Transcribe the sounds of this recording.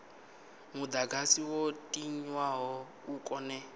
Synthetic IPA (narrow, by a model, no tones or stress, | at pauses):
mud̪aɡasiwotʼiɲwaɦɔ | ukʼɔnɛ